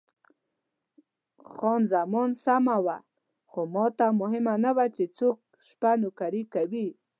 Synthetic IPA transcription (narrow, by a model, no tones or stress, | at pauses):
xɔnzamɔnsamawa | xomɔt̪amʊɦɪmanawat͡ʃet͡sok̚ | ʃpanʊkaɾikawi